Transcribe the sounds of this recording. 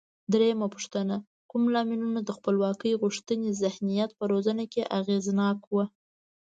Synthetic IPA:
d̪ɾejamapu̥ʂt̪əna | kumlɑminunad̪əxpəlwɑkəjɣuʂt̪ənezɪhnijat̪̚pəɾozanakeʔaɣeznɑkwə

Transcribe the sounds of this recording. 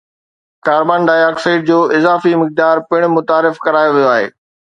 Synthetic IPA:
kaːɾbaːnɖaːjaːksaɪʈ̚d͡ʑoːʔɪzaːfimɪk̚d̪aːɾpɪɽ̃mʊt̪aːɾɪfkɐɾaːjoʋijoaːɦḛː

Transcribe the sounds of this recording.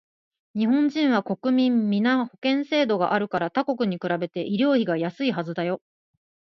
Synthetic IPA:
ɲ̟iɦõ̞ɲd͡ʑĩɰ̃β̞ako̞kɯ̟mʲĩmːʲinaho̞kẽ̞ɰ̃se̞ːd̪o̞ɡa̰ʔaɾɯ̟kaɾat̪ako̞kɯ̟ɲ̟ikɯ̟ɾabe̞t̪e̞ʔiɾʲo̞ːçiɡajasɨiɦazɨd̪ajo̞

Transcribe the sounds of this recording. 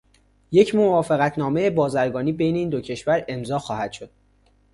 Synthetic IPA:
je̞cʰmo̞vɒːfeɣæt̪ʰnɒːmejebɒːzæɾɡɒːniːbe̞jne̞iːnd̪o̞cʰe̞ʃvæɾe̞mzɒːxɒːhæd̪̥ʃo̞d̪̥̚

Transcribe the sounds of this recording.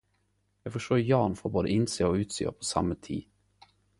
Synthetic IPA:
jɑːɡfɔʂʈoːjɑːnfoːɾboːd̪ə̰ʔɪnseːɔʉ̟ːt̪sḛːɔ̰pʰɔsa̰mːət̪ʰḭː

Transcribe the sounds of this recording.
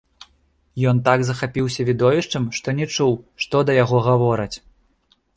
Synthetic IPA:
jɔnt̪aɡzɐxapʲiwsʲɐvʲid̪ɔvʲiʂt͡ʂɐmʂt̪ɔnʲɛt͡ʂuwʂt̪ɔd̪ɐjaɣɔɣavɔɾɐt͡sʲ

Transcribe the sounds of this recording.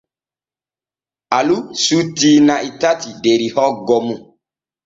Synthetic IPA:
alusutinãʔitatideɾihɔɡɔmũ

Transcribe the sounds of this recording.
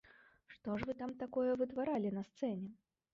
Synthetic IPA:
ʂt̪ɔʂvɨt̪amt̪akɔjɐvɨt̪vaɾalʲinɐst̪sɛnʲɛ

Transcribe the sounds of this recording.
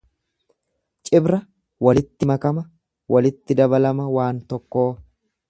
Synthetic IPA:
t͡ʃʼɪbɾɐ | wɐlɪt̪ːɪmɐkɐmɐ | wʔɐlɪt̪ːɪd̪ɐbɐlɐmɐwaːnt̪ɔkːo̞ː

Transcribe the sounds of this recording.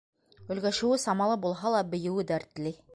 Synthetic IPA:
ɵ̆lɡæʃɘ̆wɘsɑmɑlˠɤbulˠɦɑlˠɑbɘ̆jɘ̆wɘd̪æɾt̪lɘ

